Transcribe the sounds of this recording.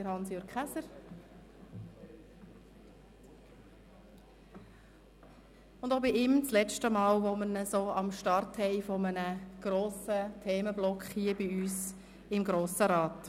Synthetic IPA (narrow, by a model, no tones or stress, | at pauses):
əɾhɑnsjɔɾkχæsəɾ | ʊndoːbiɪmt͡slɛt͡ʃtəmɑːlʋoməɾnəsoːɑmʃtɑrthɛɪfɔmənəɡ̥ɾoːsətʰeːməblɔkχhiːəbiyːs | ɪmɡɾoːsəɾɑːt